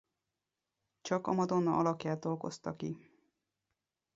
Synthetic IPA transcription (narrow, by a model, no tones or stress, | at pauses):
t͡ʃɒkɒmɒd̪o̞nːɒʔɒlɒkjaːt̪olɡo̞̰st̪ɒki